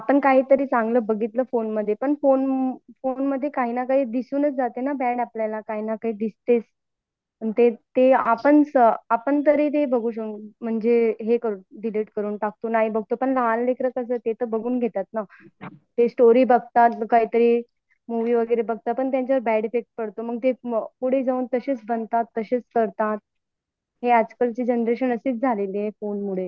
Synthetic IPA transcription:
apəɳkaɦiːt̪əɾiːt͡sãŋɡləːbəɡʱit̪ləːfonməd̪ʱːjepəɳfonfonməd̪ʱːjekaɦiːnakaɦiːd̪isuːnət͡sd͡zat̪enabɛɽapljalakaɦinakaɦiːd̪ist̪et͡s | pəɳt̪et̪eapəɳsəapəɳt̪əɾit̪̬ebəɡuːɕəuːnm̤əɳd͡zeɦekəɾuːnɖiliːʈkəɾuːnʈak̚t̪onaɦibəɡ̚ʱt̪opəɳlaallekɾəkəsət̪et̪əbəɡuːnɡʱet̪at̪̚na | t̪esʈoɾiːbəɡt̪at̪kaɦiːt̪əɾiː | muʋiːʋəɡəɾebəɡ̚t̪apəɳt̪jaɲt͡ɕaʋəɾbɛɽefek̚ʈ̚pəɽt̪oməɡ̚t̪epuɽ̤ed͡zauːnt̪əɕeːt͡sbənt̪at̪ːəɕeːt͡skəɾt̪at̪̚ | ɦead͡zkəlt͡ɕiːd͡ʑənɾeɕənəsiːt͡sd͡zʱaleliefonmuɽe

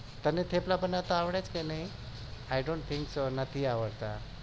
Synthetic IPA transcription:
t̪ənet̪ʰeplapənːat̪aaʋɽat͡skanai | ajɖõɳʈ̚t̪ʰiŋksonat̪ʰiːaʋəɽt̪a

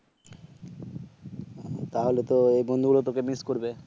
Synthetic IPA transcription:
t̪aɦolet̪oejbond̪ʱuɡulot̪okemiskoɾbe

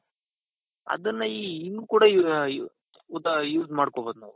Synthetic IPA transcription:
ɐ̰d̪ɐnːɐiːinːukuːɽɐ | ud̪ɐjuːzmaːɽkoboːd̪nɐʋu

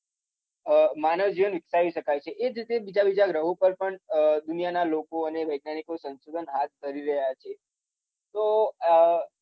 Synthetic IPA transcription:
manəʋd͡ʒiʋənʋɪksaʋiʃəkajt͡ʃʰeʔed͡ʒɾit̪ebid͡ʒabid͡ʒaɡɾəɦõpəɾpəɳd̪unijanalokoəneʋəjɡ̚nanikosənsod̪ʱənɦat̪̚d̪ʱəɾiɾəɦjat͡ʃʰe | t̪o

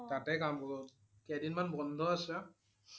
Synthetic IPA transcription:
tatɛkamkɔɔ | kɛdinmanbɔndʱɔasa

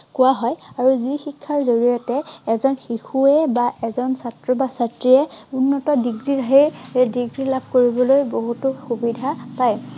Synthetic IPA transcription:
kʊwaɦɔjaɹuzixikʰːaɹzoɹijɔtɛːzɔnxixuɛbaʔɛzɔnsatɹɔbasatɹiɛunːɔtɔdiɡɹidʱaɹiɹdiɡɹilabʱkoɹibɔlojboɦutʊxubidʱapaj

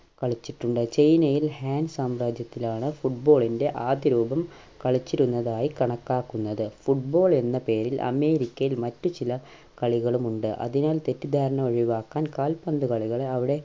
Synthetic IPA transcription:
kɐɭit͡ɕːiʈːuɳɖɨt͡ɕejnɐjilhaːnsaːmɾaːd͡ʑjɐt̪ːilaːɳɨfuʈ̚bo̞ːɭinde̞ʔaːd̪ɐɾuːbɐm | kɐɭit͡ɕːiɾunːɐðaːjikɐɳɐkːaːkːunːɐðɨfuʈ̚bo̞ːɭe̞nːɐpe̞ːɾilʔɐ̰me̞ːɾikʲːɐjilmɐtːut͡ɕilɐ | kɐɭiɣɐɭumuɳɖɨʔɐ̰ðinaːlt̪e̞tːid̪ʱaːɾɐɳɐo̞ɻiʋaːkːaːnkaːlpɐnd̪ukɐɭiɣɐɭɐʋiɽe̞

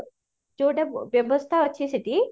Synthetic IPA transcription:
d͡ʒuːɖɐʋjɐʋɐst̪ʰɐʋɐt͡ɕːisit̪i

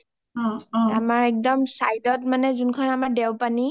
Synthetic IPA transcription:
amaɹɛk̚dɔmsajdɔt̚manɛzunkʰɔnamaɹdɛwpani

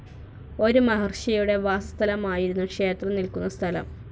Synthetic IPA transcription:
o̞ɾumɐɦɐrɕɐjuɽe̞ʋaːsɐst̪ʰɐlɐmaːjiɾunːukʂe̞ːt̪rɐmnilkunːɐst̪ʰɐlɐ̰m

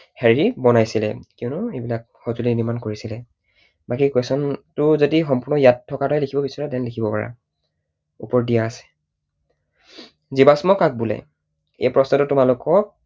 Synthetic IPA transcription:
hɛɹibɔnajsilɛ̰kiʊnʊejbilak̚xɔtulinimankoɹisilɛ | bakikwesɔntʊzodixɔmpuɹnɔjatʰːɔkatɔjlikʰibɔbisɔɹɛtɛnlikʰibɔpaɹa̰ | upɔɹdijaːsɛ̥ | zibasmɔkak̚bulɛ̰ | ḛjpɹɔstɔtʊtʊmalʊkɔk̚

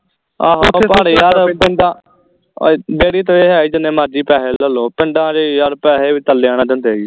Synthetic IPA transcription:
aːɦopaːɽijaːɾpɪɳɖãː | b̪eːɽiːt̪õːeːɦɛːiːd͡ʒɪnẽːmaːɾd͡ʒiːpɛːɦeːləloːpɪɳɖãːɾiːjaːɾpɛːɦeːʋiːt̪əlːeːaːñaːd͡ʒãːnd̪eːi

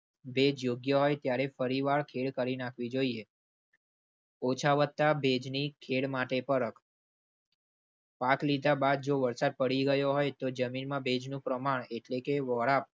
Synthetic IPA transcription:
bed͡ʒjoɡjəɦojt̪jaɾefəɾiʋaɭkʰeɽkəɾinakʰʋid͡ʒoie | ot͡ʃʰaʋət̪ːabed͡ʒnikʰeɽmaʈepəɾəkʰ | paklid̪ʱabad̪̚d͡ʒoʋəɾsad̪̚pəɽiɡəjoɦojt̪od͡ʒəminmãbed͡ʒnũpɾəmaɳ̃eʈlekeʋɔɭap̚

